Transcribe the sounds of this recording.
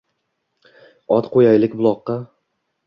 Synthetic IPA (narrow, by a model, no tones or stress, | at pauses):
ɒt̪qʰojajlɪkʲbʊlˠɒqːɑ